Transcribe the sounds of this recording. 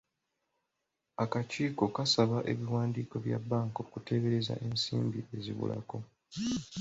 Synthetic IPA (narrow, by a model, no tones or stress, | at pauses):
akaciːko̞kasaβaʔe̞βiwaːndiːko̞βja̰bːaːŋko̞kute̞βe̞ɾe̞za̰ʔe̞nsiːmbie̞zḭβṵla̰ko̞